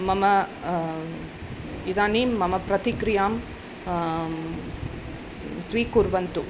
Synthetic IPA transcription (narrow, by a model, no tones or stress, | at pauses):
mɐmɐ | ɪðaːniːmːɐmɐpɾɐt̪ɪkɾɪjaːm | sʋiːkuɾʋɐnt̪u